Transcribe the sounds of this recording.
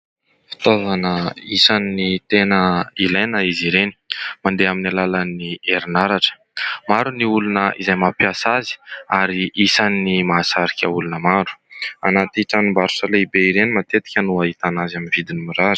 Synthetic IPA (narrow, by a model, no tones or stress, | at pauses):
fi̥t̪ovanəisanːit̪enəilajnəiziɾeni̥mand̪eaminalalanieɾinaɾaʈ͡ʂə̥ | maɾuniulunəʔḭzajmapiasazi̥aɾiʔisanːimasaɾikʲəulunəmaɾu̥a̰nat̪iʈ͡ʂanimbaɾusəleibeiɾenimat̪et̪i̥kʲənuaɦit̪anazaminvid̪inimiɾaɾ̥